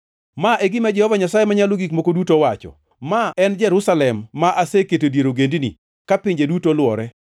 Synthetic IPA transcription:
maʔeɡɪmad͡ʒɛhɔvaɲasajemaɲaloɡikmokodutowat͡ʃɔ̰ | maɛnd͡ʒɛɾʊsalɛmːaʔaseketodjeɾoɡendinḭ | kapɪɲd͡ʒedutolwɔɾɛ

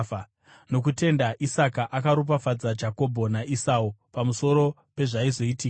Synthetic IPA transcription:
no̞k̬ute̞ndaʔisakaʔakaɾup̬afad͡zad͡ʒako̞bʱo̞naʔisaupamuso̞ɾo̞ | pe̞ʐaizo̞itiːka

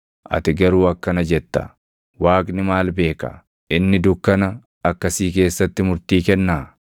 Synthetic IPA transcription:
ʔɐ̰t̪ɪɡɐɾuːɐkːɐnɐd͡ʒɛt̪ːɐ̰ | waːkʼnɪmaːlbe̞ːkɐ̰ | ʔɪnːɪd̪ʊkːɐnɐ | ɐkːɐsiːk̬e̞ːsːɐt̪ːɪmʊɾt̪iːkɛnːaː

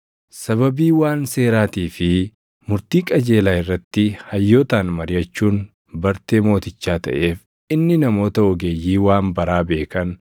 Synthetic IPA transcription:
sɐβɐbiːwaːnse̞ːɾaːt̪iːfɪ | mʊɾt̪iːkʼɐd͡ʒe̞ːlaːɪrːɐt̪ːɪhɐjːo̞ːt̪aːnmɐɾɪjɐt͡ʃːuːn | bɐɾt̪e̞ːmo̞ːt̪ɪt͡ʃːaːt̪ɐ̰ʔe̞ːf | ɪnːɪnɐmo̞ːt̪ɐɔɡeːjːiːwaːnbɐɾaːbe̞ːkɐn

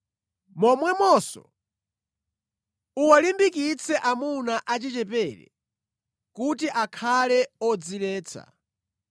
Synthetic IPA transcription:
mɔmwɛmɔsɔ̰ | uwalimbikit͡sʰɛʔamunaʔat͡ʃit͡ʃɛpɛɾɛ̰ | kutiʔakʰalɛɔd͡zilɛːt͡sʰa̰

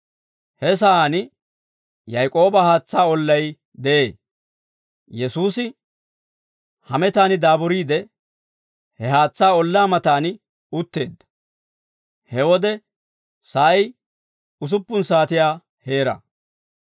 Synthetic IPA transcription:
hɛs̬ɐaːnɪ | jɐjkʼo̞ːbɐhaːt͡sːaːɔlːɐj | d̪ɛʔe̞ː | jɛsuːsɪ | hɐmɛt̪aːnɪd̪aːbʊɾiːd̪ɛ | hɛɦaːt͡sːaːɔlːaːmɐt̪aːnɪ | ʊt̪ːe̞ːd̪ːɐ̥ | hɛwɔd̪ɛ | sɐj | ʊs̬ʊpːʊnsaːt̪ɪjaː | he̞ːɾɐ̰

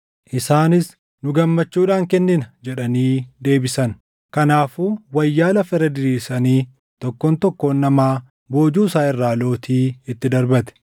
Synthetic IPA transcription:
ʔɪsaːnɪs | nʊɡɐmːɐt͡ʃːuːᶑaːŋkɛnːɪnɐd͡ʒɛᶑɐniːd̪e̞ːbɪsɐn | kɐnaːfuwɐjːaːlɐfɛɾɐd̪ɪɾiːsɐniː | t̪ɔkːoːnt̪ɔkːo̞ːnːɐmaː | bo̞ːd͡ʒuːsaːɪrːaːlo̞ːt̪iːɪt̪ːɪd̪ɐɾbɐt̪ɛ̥

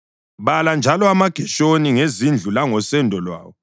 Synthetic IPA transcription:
βaland͡ʒʱalɔamaɡ̥ʱɛʃoniŋezind͡ɮʱulaŋɔsɛndʱɔlwa̰ːwɔ

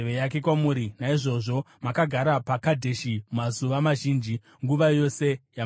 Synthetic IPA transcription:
ʋejake̞kwamuːɾinaiʐo̞ʐo̞ | makaɡʱaɾapakadʱe̞ʃimazuʋamaʒiːnd͡ʒi | ŋɡuʋajo̞se̞ja

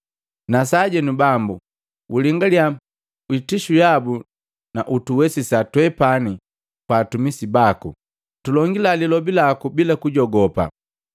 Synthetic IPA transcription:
nasaɟɛnubambu | ʔuliŋɡalja | witiʃujabu | naʔutuwɛsisatwɛpani | kwaːtumisibaku | tulɔŋɡilalilɔbilakubilakuɟɔɡɔpa̰

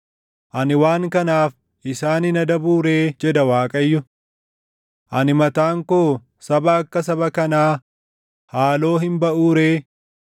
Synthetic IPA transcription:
ʔɐnɪwaːŋkɐnaːf | ʔɪsaːnɪnɐd̪ɐbuːɾe̞ːd͡ʒɛd̪ɐwaːkʼɐjːʊ | ʔɐnɪmɐt̪aːŋkoː | sɐbɐɐkːɐs̬ɐbɐkɐnaː | haːlo̞ːɦɪmbɐʔuːɾeː

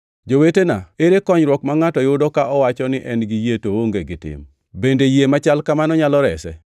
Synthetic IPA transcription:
d͡ʒowetenaeɾekɔɲɾwɔkmaŋatɔjʊdɔkaɔwat͡ʃɔnɪʔɛnɡijetooŋɡeɡɪtɪ̰m | bendejemat͡ʃalkamanɔɲalɔɾɛsɛ̰

